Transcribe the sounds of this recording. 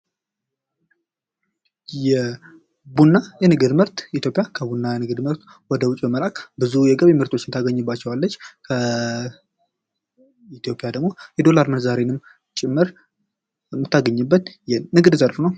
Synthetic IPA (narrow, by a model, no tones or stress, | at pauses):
jɛ | bunːajɛnɨɡɨd̪mɨɾt̪it̪ʰjopʼjakʰəbunːajɛnɨɡɨd̪mɨɾt̪ | wɔd̪əwʊt͡ʃʼbəməlakʼbɨzujɛɡəβemɨɾt̪ʰo̞t͡ʃːɪnt̪ʰaɡəɲːɨbːat͡ʃːɛwalːət͡ʃːkʰə | it̪jo̞pʼjad̪əɡmo̞jɛd̪o̞laɾmənzaɾenɨm | t͡ʃʼɪmːɨɾ | mːɨt̪ʰːaɡəɲːɨbːət̪jɛnɨɡɨd̪zəɾfnəw